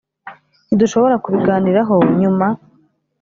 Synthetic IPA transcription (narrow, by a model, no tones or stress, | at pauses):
niduʃo̞βo̞ɾakuβiɡaːniɾaɦo̞ɲuma